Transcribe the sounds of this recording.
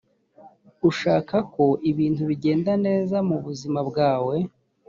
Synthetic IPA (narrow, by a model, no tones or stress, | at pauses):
uʃaːkako̞ʔiβiːntuβiɟe̞ːndane̞ːzamuβuzimabɡaːwe̞